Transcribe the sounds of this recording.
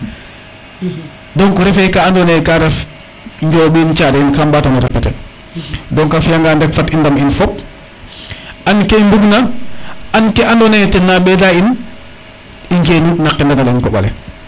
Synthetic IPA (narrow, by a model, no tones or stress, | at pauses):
dɔŋkɔɾɛfɛkaandɔnejkaɾɛf | ɲɟɔːbiːnt͡ʃaɾinkambaːtanuɾɛpːɛtɛ̰ | dɔŋkafjaŋɡandɛkfatindaminfɔp̚ | ankembuɡna | ankɛʔandɔnɛjtɛnabɛdain | iɲd͡ʒenunakːindanalankɔɓa̰lɛ̰